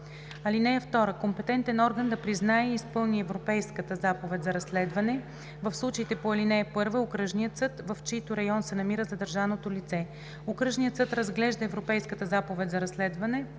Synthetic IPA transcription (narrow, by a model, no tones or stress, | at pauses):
ɐlinɛəft̪ɔɾəkompɛt̪ɛnt̪ɛnɔɾɡənd̪ɐpɾiznaɛiispɤlˠniɛvɾopɛjskət̪əzapovɛt̪ʲzɐɾɐslɛd̪vɐnɛ | vəfslˠut͡ʃəit̪ɛpoɐlinɛːpɤɾvəokɾɤʒnijət̪sɤt̪vɐft͡ʃit̪oɾɐjɔnsɛnɐmiɾəzɐd̪ɐɾʒavnot̪olit̪sɛ | okɾɤʒnijət̪sɤt̪ɾɐzɡlɛʒd̪əɛvɾopɛjskət̪əzapovɛt̪ʲzɐɾɐslɛd̪vɐnɛ